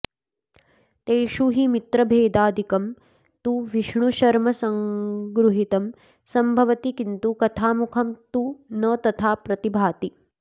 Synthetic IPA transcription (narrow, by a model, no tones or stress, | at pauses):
t̪eːʃuɦimit̪ɾɐbʱeːd̪aːd̪ʱikɐm | t̪uʋiʃɳuʃɐɾmɐsɐŋɡɾuɦit̪ɐm | sɐmbʱɐʋɐt̪ikint̪ukɐt̪ʰaːmukʰɐmt̪unɐt̪ɐt̪ʰaːpɾɐt̪ibʱaːt̪i